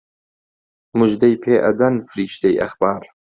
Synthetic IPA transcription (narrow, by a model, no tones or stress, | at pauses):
mʊʒd̪ɐjpʰeːʔɐ̰d̪ɐnfɨɾiːʃt̪ɐjʔɐ̰xb̥aːɾ